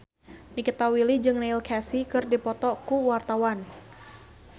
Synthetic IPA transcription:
nikit̪awilid͡ʒɨŋneilkʰasikɨrdipɔt̪ɔkuwart̪awan

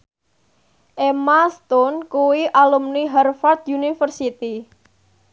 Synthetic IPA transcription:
ʔemast̪ɔnkuwiʔalumniɦɛrfart̪junifərsit̪i

